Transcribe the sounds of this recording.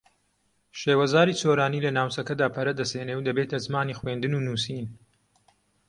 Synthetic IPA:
ʃeːwɐzaːɾiːt͡soːɾaːniːlɐnaːwt͡sɐkɐd̪aːpʰɐɾɐd̪ɐseːnewd̪ɐbeːt̪ʰɐzɨmaːniːxweːnd̪ɨnuːnuːsiːn

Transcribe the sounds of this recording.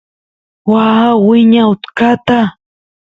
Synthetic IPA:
waːwɪɲaʊt̪kat̪a

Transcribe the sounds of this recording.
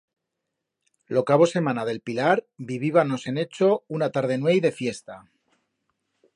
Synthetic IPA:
lokaβo̞se̞mãnaðe̞lpilaɾbiβiβ̞ano̞se̞ne̞t͡ʃo̞unat̪aɾð̞e̞nwe̞jðe̞fje̞st̪a

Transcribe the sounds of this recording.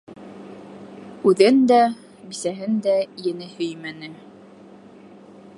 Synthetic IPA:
ʉðɘnd̪æ | bisæɦɘnd̪æjɘ̆nɘhɵjmænɘ

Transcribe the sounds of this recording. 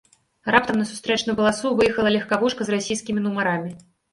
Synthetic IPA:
rap̚t̪ɐmnɐsu̥st̪ɾɛt͡ʂnujupɐlˠasuvɨjɛxɐlˠɐlʲɛxkavuʂkɐzrasʲijskʲimʲinumaɾamʲi

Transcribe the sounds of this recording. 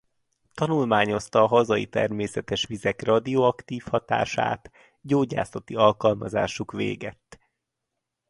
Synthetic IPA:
t̪ɒnulmaːɲo̞st̪ɒːɦɒzɒit̪ɛ̰rmeːsɛt̪ɛʃʋizɛkrɒd̪ioɒkt̪iːfhɒt̪a̰ːʃa̰ːt̪ | ɟoːɟa̰ːsɒt̪iɒlkɒlmɒza̰ːʃukʋḛːɡɛt̪ː

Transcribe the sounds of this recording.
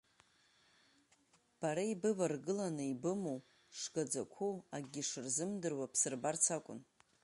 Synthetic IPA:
b̥aɾaibɨvarɡɨlanɨibɨmow | ʂɡ̥ad͡zakʷʰuaɡʲiʂɨrzɨmdɨrwapʰsɨrbart͡sʰakʷʼʊ̰n

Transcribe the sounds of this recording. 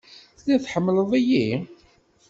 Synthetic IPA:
θlæθħəmːləðˤiji

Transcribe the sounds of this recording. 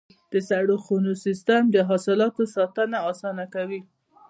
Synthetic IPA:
d̪̥əsaɽoxonosist̪amd̪əɦɑsɪlɑt̪osɑt̪ənaɑsɑnakawi

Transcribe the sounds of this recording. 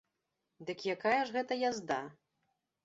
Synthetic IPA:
d̪ɨkjakajɐʐɣɛt̪ɐjazd̪a

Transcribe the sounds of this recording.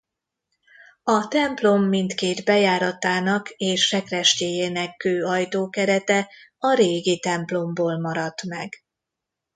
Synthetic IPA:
ɒt̪ɛmplo̞mːint̪keːd̪bɛjaːɾɒt̪aːnɒkeːʃrɛkrɛʃceːjeːnɛkːøːɒjt̪oːkɛɾɛt̪ɛɒɾeːɡit̪ɛmplo̞mboːlmɒɾɒt̪mɛɡ

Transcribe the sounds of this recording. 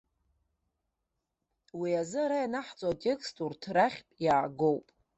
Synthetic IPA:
wiazɨaɾajanaħt͡sʼoatʲʼe̞kʰʼstʰʼurtʰraχʲpʼjaːɡo̞wpʼ

